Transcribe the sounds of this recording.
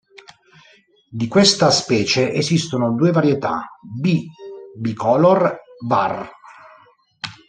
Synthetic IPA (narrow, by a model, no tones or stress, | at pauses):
d̪ikwest̪aspɛːt͡ʃeʔezist̪onod̪uːevaɾjet̪a̰bibikɔlɔrba̰r